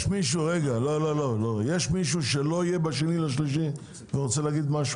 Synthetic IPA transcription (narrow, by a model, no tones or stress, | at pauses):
ʃmiʃ̬uʁeɡalo̞lo̞lo̞lo̞jeʃmiʃuʃelo̞ijebaʃe̞nilaʃ̬liʃi | veʁot͡se̞leːɡid̪maʃu